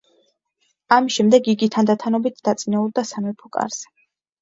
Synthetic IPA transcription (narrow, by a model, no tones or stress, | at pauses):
amisʃɛmd̪ɛɡiɡit̪ʰːand̪at̪ʰanɔbit̪ʰd̪at̪sʼinɛuɾd̪asamɛpʰɔkʼa̰ɾz̥ɛ̥